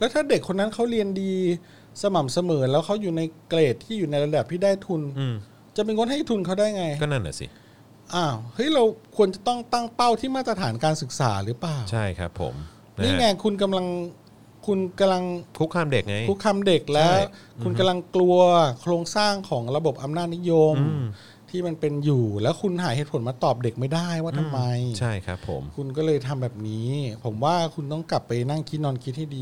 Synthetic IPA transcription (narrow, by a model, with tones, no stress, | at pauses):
lɛː˦˥wt̪ʰaː˥˩de˨˩kʰːo˧nːa˦˥nkʰa˦˥wɾi˧əndiː˧ | sa˧ma˨˩msa˧mɤː˩˦lɛː˦˥wkʰa˦˥wjuː˨˩na˧jkleː˨˩t̪ʰːiː˥˩juː˨˩na˧jɾa˧bɛː˨˩pʰiː˥˩daː˥˩jt̪ʰu˧nː˧ | t͡ɕa˨˩ʔmiː˧ŋo˥nha˥˩jt̪ʰu˧nkʰa˦˥wdaː˥˩jŋa˧jkɔː˥˩na˥˩nʔa̰˨˧˩sḭ˨˩ | ʔaː˧˩whɤ˦˥jɾa˧wkʰu˧ənt͡ɕa˨˩t̪ɔ˥˩ŋt̪a˥˩ŋpa˥˩wt̪ʰiː˥˩maː˥˩t̪ɾa˧t̪ʰaː˩˦nkaː˧nsɯ˨˩k̚sa̰ː˩˦ɾɯː˩˦plaː˨˩wt͡ɕʰa˥˩jkʰa̰˦˥pʰːo̰˩˦m | niː˦˥˩ŋɛː˧kʰu˧nk̬a˧mla˧ŋ | kʰu˧nka˧mla˧ŋkʰu˦˥kʰaː˧mde˨˩k̚ŋa˦˥jʰu˦˥kʰːaː˧mde˨˩k̚lɛ˦˥ | kkʰu˧nka˧mla˧ŋklu˧ɐkʰɾoː˧ŋsaː˥˩ŋkʰɔː˩˦ŋɾa˧bo˨˩p̚ʔa˧mnaː˥˩t̪̚ni˦˥jo˧mm | t̪ʰiː˥˩ma˧npe˧njuː˨˩lɛː˦˥wkʰu˧nɦaː˩˦jhe˨˦t̪̚pʰo˩˦maː˧t̪ɔː˨˩p̚de˨˩k̚ma˥˩jdaː˥˩jwaː˥˩t̪ʰa˧mːa˧jt͡ɕʰa˥˩jkʰa˦˥pʰːo̰˩˦mkʰu˧nkɔː˥˩lɤː˧jt̪ʰa˧mbɛː˨˩p̚niː˦˥pʰo˩˦mwaː˥˩kʰu˧nt̪ɔ˥˩ŋkla˨˩pːa˧jna˥˩ŋkʰi˦˥nɔː˧nkʰi˦˥t̪̚ha˥˩jdiː˧